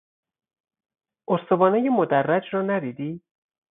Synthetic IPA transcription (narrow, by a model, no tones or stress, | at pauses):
ʔoɾst̪obɒːnejemod̪ærːæd͡ʒɾɒːnæd̪iːd̪iː